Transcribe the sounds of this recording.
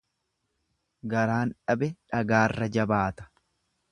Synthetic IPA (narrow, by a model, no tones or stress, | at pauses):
ɡɐɾaːnᶑɐbɛᶑɐɡaːrːɐd͡ʒɐbaːt̪ɐ̥